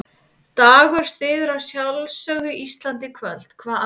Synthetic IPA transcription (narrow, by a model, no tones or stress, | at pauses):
t̪aːɣʏɾ̥st̪ɪːðʏɾawsjawlsœːɣʏʔist̪lant̪ɪkʰvœlt̪kʰvaːða